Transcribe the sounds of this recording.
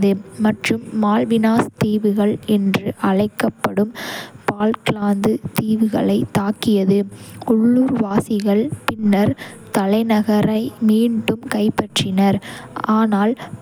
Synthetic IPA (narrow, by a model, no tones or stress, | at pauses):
ðɯmɐʈrɯmːaːlʋɪnaːst̪iːʋɯɣɐɭɛndrɯʔɐɻɐɪkːɐpːɐɽɯmpaːlklaːnd̪ɯt̪iːʋɯɣɐ̰ɭɐɪt̪ːaːkːɪjɐðɯʊɭːuːɾʋaːsɪɣɐɭpɪnːɐɾt̪ɐlɐɪnɐɣɐɾɐɪmiːɳɖɯmkɐɪpːɐʈrɪnɐɾʔaːnaːl